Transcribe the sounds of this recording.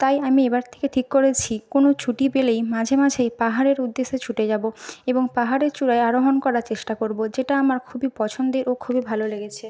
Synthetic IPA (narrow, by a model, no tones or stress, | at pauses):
t̪ajamiebaɾt̪ʰe̥keʈʰikːoɾet͡ɕʰikonot͡ɕʰuʈipelejmãd͡ʑʱemad͡ʑʱejpaɦaɾeɾud̪ːesːet͡ɕʰuʈed͡ʑaboeboŋpaɦaɾeɾt͡ɕuɾaeaɾoɦonkɔɾaɾt͡ɕeʃʈakoɾbod͡ʑeʈaamaɾkʰubipɔt͡ɕʰond̪eɾʔokʰubibʱaloleɡet͡ɕʰe